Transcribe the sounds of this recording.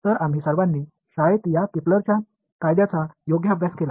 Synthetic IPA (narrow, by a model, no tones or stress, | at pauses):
t̪əɾam̤iːsəɾʋãnːiː | ɕajet̪jakit̪ləɾt͡ɕja | kajd̪jat͡sajoɡjəabʱjaskela